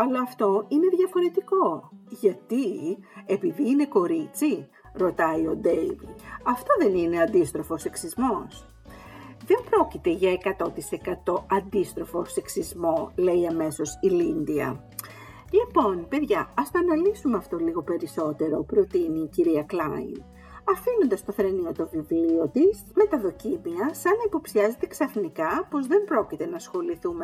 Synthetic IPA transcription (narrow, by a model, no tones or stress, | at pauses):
ɐlɐːft̪o̞ine̞ðʝɐfo̞ɾe̞t̪iko̞ʝɐt̪ie̞piðiːne̞ko̞ɾit͡si | ɾo̞t̪ɐio̞d̪eiviɐft̪o̞ðe̞nine̞ɐnd̪ist̪ɾo̞fose̞ksizmo̞s | ðe̞mb̥ɾo̞cit̪e̞ʝɐekɐt̪o̞t̪ise̞kɐt̪o̞ʔɐnd̪ist̪ɾo̞fo̞se̞ksizmo̞le̞iɐme̞so̞silind̪iɐ̰ | lipo̞npe̞ðʝɐɐst̪oɐnɐlisumeɐft̪o̞liɣo̞pe̞ɾiso̞t̪e̞ɾo̞pɾo̞t̪iniːciɾiɐklɐḭn | ɐfino̞nd̪ɐst̪o̞θɾe̞nio̞t̪o̞vivlio̞t̪isme̞t̪ɐðo̞cimiɐsɐnɐipo̞psiɐze̞t̪eksɐfnikɐpo̞zðe̞mbɾo̞cit̪e̞nɐsxo̞liθume̞